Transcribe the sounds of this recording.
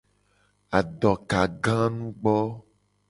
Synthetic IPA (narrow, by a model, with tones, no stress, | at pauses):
a˨ɖɔ˨ka˨ɡã˦nũ˦ɡ͡bɔ˦